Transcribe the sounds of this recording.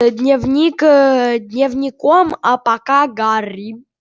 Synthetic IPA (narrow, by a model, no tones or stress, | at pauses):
d̪nʲevnʲikd̪nʲevnʲikɔmapakaɡaɾi